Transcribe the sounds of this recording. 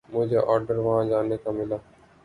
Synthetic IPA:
mʊd͡ʒʱeʔɔːɾɖəɾʋɐɦãd͡ʒaːneːkamɪlaː

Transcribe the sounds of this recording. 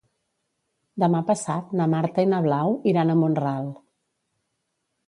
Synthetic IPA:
d̪əmapəsat̪namaɾt̪əinəβ̞lawiɾanəmonralˠ

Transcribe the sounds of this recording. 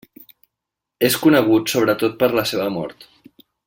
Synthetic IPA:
eskunəɣ̞ut̪soβ̞ɾət̪ot̪̚pəɾləseβəmɔ̰ɾt̪

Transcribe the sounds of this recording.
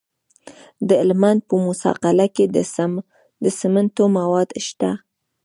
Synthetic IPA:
d̪əɪlmand̪̚pəmʊsɑ̰qalaked̪ | d̪əsəmant̪omawɑd̪ʃt̪a

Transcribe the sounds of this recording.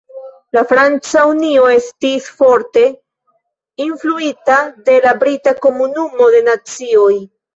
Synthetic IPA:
lafɾant͡saunio̞e̞stisfo̞ɾte̞ | influitade̞labɾitako̞munumo̞de̞nat͡sio̞j

